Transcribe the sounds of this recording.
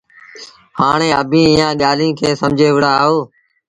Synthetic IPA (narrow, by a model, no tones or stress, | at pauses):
haːɳeːəbʱĩːɪjãːɠaːlĩːkʰeːsəmd͡ʒʱeːʋəɽaːɦoː